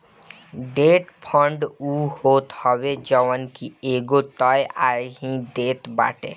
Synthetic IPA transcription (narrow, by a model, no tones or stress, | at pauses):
ɖeːʈpʰɔ̃ɳɖuːhoːt̪hɔwed͡ʒɔʋənkieːɡot̪ɔjaːeɡĩd̪eːt̪ba̰ːʈḛ